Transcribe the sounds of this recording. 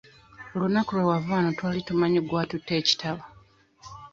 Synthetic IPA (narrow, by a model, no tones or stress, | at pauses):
olunakulewavaːnotwaːlitumaɲoɡwaːtutːe̞ːci̥tʰaβa